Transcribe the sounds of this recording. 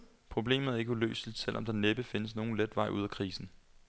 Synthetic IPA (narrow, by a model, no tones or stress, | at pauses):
pʰʁo̝b̥le̝̰ːmð̩ˠæe̝ɡ̥əulø̰ːslid̥sel̰ʔɒ̽md̥ɑ̈neb̥əfe̝nəsno̝ːn̩led̥ʋɑ̈ɪuð̞̰ˠkʰʁiːsn̩